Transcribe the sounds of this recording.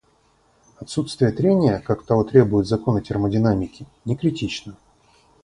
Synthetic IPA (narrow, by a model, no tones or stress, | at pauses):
ɐt̪sːut̪st̪vʲɪjət̪ɾʲenʲɪjəkakt̪ɐvot̪ɾʲe̞bʊjɪt̪zɐko̞nətʲɪrmədʲɪnamʲɪkʲɪnʲɪkɾʲɪtʲit͡ɕnə